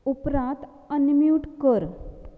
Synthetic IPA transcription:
upɾãt̪ | ənmjuʈkəɾ

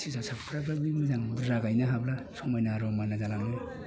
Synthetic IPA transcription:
sisasapkʰɾabɾabimizaŋbuɾaɡajnaɦablasɔmajnaɾɔmanazalaŋnɯ

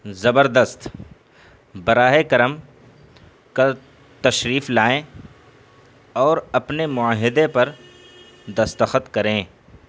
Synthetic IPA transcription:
zɐbəɾd̪əst̪ | bɐɾaːɦekɐɾəm | ka | t̪ɐʃɾiːflaːẽ | ɔːɾɐpnemʊaːɦɪd̪epɐɾ | d̪ɐst̪əxət̪kɐɾẽː

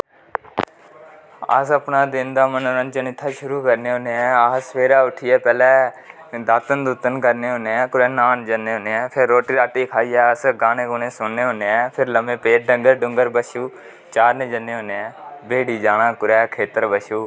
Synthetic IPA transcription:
ə̰ːsəpnãːd̪ɪnd̪aːmənoːɾənt͡ʃənɪt̪ʰːaːʃʊɾuːkəɾneːɦõːneɛːasʋeːɾaːʊʈʰiɛːpɛːlɛː | d̪aːt̪ənd̪uːt̪ənkəɾneːɦoːneːɛ̃ːkʊɾɛːnaːnd͡ʒənːeːɦoːneːɛ̃ːpʰɪɾːoːʈiːɾaːʈiːkʰaːiːɛːəsɡaːnẽːkoːnẽːsʊnːeːɦõːneːɛːpʰɪɾləmẽːpeːʈ̚ɖəŋɡəɾɖʊŋɡəɾbəʃuː | t͡ʃaːɾnẽːd͡ʒənːeːɦõːneːɛ̃ːbeːɽiːd͡ʒaːnãːkʊɾɛːkʰeːt̪əɾbəʃuː

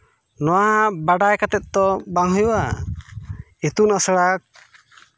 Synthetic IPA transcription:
nɔwabaɖajkat̪ɛt̪̚t̪ɔbaŋɦɔjua | it̪unɔsəɽak̚

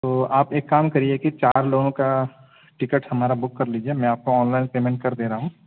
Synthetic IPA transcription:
t̪oːaːpeːkːaːmkɐɾiekit͡ʃaːɾloːɡõka | ʈɪkəʈhɐmaːɾabʊkːɐɾliːd͡ʒiemɛ̃aːp̚koɔːnlaːɪnpeːmẽɳʈ̚kɐɾd̪eːɾaɦũː

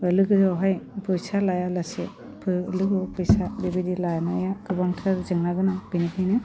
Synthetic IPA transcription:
ɯlɯɡɯzɔɦajpʰɯjsalajalase | pʰɯlɯɡɔpʰɯjsadibidilajnajakɯbaŋtʰɯɾzɯŋnaɡɯnabinitʰijnɯ

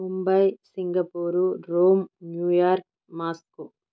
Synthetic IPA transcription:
mʊmbɐjsiŋɡɐpuːɾuɾoːmnjuːjaːɾk̚ | maːsku

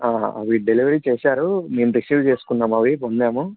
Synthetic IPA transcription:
aːɐ̰ʋiɖeliʋɐɾiːt͡ʃeːsaːɾumeːmuɾesuːʋt͡ʃe̞ːsu̥kunːaːmɐʋipond̪eːmu

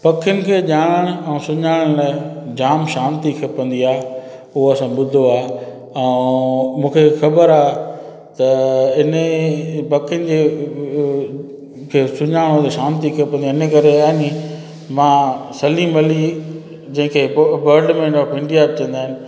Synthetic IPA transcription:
pɐkʰɪjʊnɪ̆kʰeːʄaːɽ̃əɽ̃ʊɛ̃ːsʊɲaːɽəɽ̃laːd͡ʑaːmʃaːnt̪ikʰɐpɐ̃nd̪iaːɦ | ʊɦoɐsãɓʊd̪ʱoaː | ɛ̃ | mũːkʰexɐbəɾaːɦ | t̪ɐɪnəpɐkʰjənɪ̆d͡ʑeː | kʰeːsʊɲaːɽ̃ot̪eʃaːnt̪ikʰɐpɐ̃nd̪iɪnəkɐɾeaːɦɪnĩ | mãːsɐliːmɐli | d͡ʑɐ̃ɦɪ̃kʰeːbəɾɖmẽopɪ̃ɳɖijabt͡ɕɐ̃nd̪aːɦɪnɪ̆

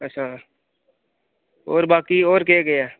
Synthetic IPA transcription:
ətːʃʰaː | oːɾbaːkioːɾkeːɡəjaː

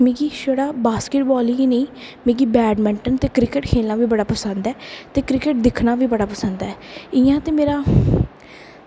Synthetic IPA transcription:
mĩːɡiːʃəɽaːbaːskɪʈbɔːliːɡinẽːmĩːɡiːbɛːɖmɪ̃ɳʈənt̪eːkɾɪkɪʈkʰeːlnaːʋiːbəɽaːpəsənd̪ɛːt̪eːkɾɪkɪʈ̚d̪ɪkʰnaːʋiːbəɽaːpəsənd̪ɛːɪjãːt̪eːmeːɾaː

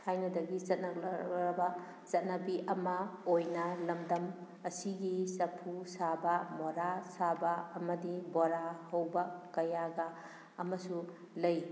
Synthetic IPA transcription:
kʰajnɐdɐɡizɐt̚nɐɾbɐ | zɐt̚nɐbiʔɐmɐojnɐlɐmdɐm | ɐsiɡisɐpʰusabɐmɔɾasabɐɐmɐdiboɾahɐwbɐkɐjaɡɐː | mɐsu | lɐj

